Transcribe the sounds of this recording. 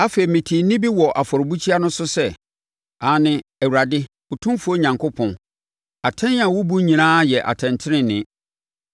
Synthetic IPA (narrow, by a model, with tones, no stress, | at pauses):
a˦feː˨mĩ˨tʰi˨nĩ˦bi˦wɔ˨ʔa˨fɔ˨ɾbu˦t͡ɕʰi˦a˦nʊ̃˦sʊ˦sɛ˦ | a˨˦nɪ̃˦ɛ˨wu˨ɾa˨dɪ˦ | ʊ˨tʰũ˦mfu˦o˦ɲã˨ŋkʰʊ˦pʰɔ̃˨n | a˨tʰɛ̃˦nã˨wʊ˦bu˦ɲĩ˨nãː˦jɛ˨ʔa̰˨tʰɛ̃˨ntʰɪ˦ɾɪ̃˦nɪ̰̃˨